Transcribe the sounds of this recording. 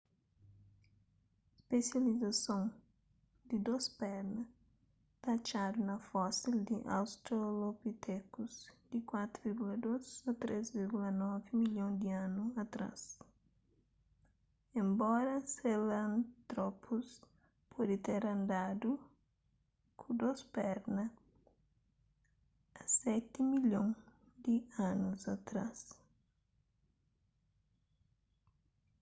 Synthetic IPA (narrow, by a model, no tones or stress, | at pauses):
spesjalizɐsõŋ | d̪id̪ospɛɾnɐ | t̪at͡ʃad̪unɐfɔsild̪iʔa̰wst̪ɾolopit̪ʰɛkuzd̪̥ikwat̪ɾuviɾɡulɐd̪ozɐt̪ɾezviɾɡulɐnɔvimiljõŋd̪iãnuɐt̪ɾa̰s | ẽmbɔɾɐselɐ̃nt̪ɾɔpʰus | pʰɔd̪it̪eɾɐ̃nd̪ad̪u | kʰud̪ospɛɾnɐ | ɐsɛt̪imilõŋ | d̪ianuzɐt̪ɾa̰s